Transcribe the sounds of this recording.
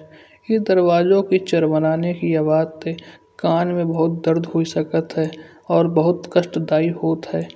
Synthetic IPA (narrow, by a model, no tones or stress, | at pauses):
ɪd̪əɾwaːd͡ʒõkit͡ʃɐɾmənaːnekiɐʋaːt̪ːe | kaːnmẽbɐɦʊt̪̚d̪əɾd̪ɦoisəkət̪ɦɛː | ɔːɾbəɦʊt̪kəʃʈd̪aːiɦoːt̪ɦɛː